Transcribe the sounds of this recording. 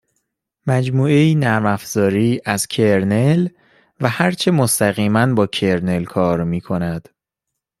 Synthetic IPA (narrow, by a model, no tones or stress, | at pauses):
mæd͡ʒmuːeiːnæɾmæfz̥ɒːɾiːʔæz̥cʰeɾnel | væhæɾt͡ʃʰe̞most̪æɣiːmænbɒːcʰe̞ɾne̞lkʰɒːɾmiːkʰo̞næd̪̥